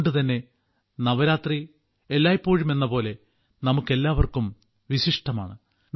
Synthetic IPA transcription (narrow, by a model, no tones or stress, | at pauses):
ɳɖɨt̪ɐnːe̞ | nɐʋɐɾaːt̪ri | elːaːjipːo̞ːɻume̞nːɐpo̞ːle̞ | nɐmukːe̞lːaːʋɐrkum | ʋiɕiʂʈɐma̰ːɳɨ